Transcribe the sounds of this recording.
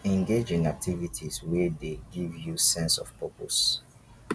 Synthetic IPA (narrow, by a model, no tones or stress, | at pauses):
ɛ̃ŋɡed͡ʒĩnak̚tʰivitʰizwɛdeɡivjusɛ̃nsɔfv̥pʰɔpʰos